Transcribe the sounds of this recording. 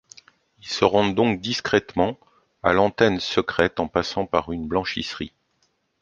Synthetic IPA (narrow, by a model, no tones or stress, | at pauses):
ilsəʁɔ̃d̪ɔ̃k̚d̪iskχɛt̪mɑ̃ | a̰lɑ̃t̪ɛnsəkχɛt̪ɑ̃pasɑ̃paʁynblɑ̃ʃḭsχḭ